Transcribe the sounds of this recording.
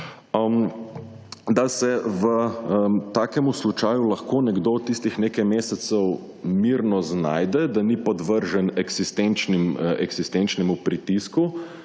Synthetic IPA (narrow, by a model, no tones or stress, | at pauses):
əm | d̪asɛʋə | t̪aːkɛmuslut͡ʃaːjulɐxkoːnɛɡd̪oːt̪ːist̪ixneːkajmeːsɛt̪sɛw | miɾnɔzna̰ːjd̪ɛd̪anipɔd̪ʋəɾʒɛnɛɡsist̪ent͡ʃnimɛɡsist̪ent͡ʃnɛmupɾit̪isku